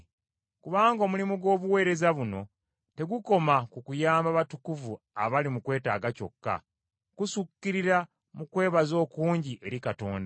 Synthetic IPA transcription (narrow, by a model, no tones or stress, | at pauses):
kuβaːŋɡo̞ːmulimuɡo̞ːβuwe̞ːɾe̞zaβuno̞̰ | te̞ɡuko̞makukujaːmbaβatukuvu | a̰βalimukwe̞ːta̰ːɡaco̞̰kːa̰ | kusukːiɾiɾa | mukwe̞ːβazo̞ːkuːɲɟiʔe̞ɾikato̞̰ːnda